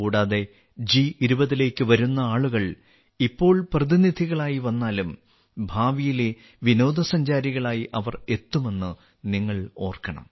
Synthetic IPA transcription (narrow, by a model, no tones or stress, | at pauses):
kuːɽaːðe̞ | d͡ʑiiɾubɐðile̞ːkːɨʋɐɾunːɐaːɭuɣɐɭ | ipːo̞ːɭprɐðinid̪ʱiɣɐɭaːjiʋɐnːaːlum | bʱaːʋijile | ʋino̞ːd̪ʱɐsɐɲd͡ʑaːɾiɣɐɭaːjiʔɐʋɐre̞t̪ːume̞nːɨ | niŋːɐɭo̞ːrkɐɳɐ̰m